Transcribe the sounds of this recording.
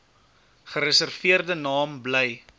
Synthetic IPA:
χəɾəsərfiərdənɑːmblɛj

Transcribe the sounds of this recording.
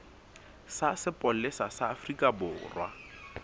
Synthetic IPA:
sasɪpʼɔl̩lɪsasaːfrikʼabʊːrwa̰

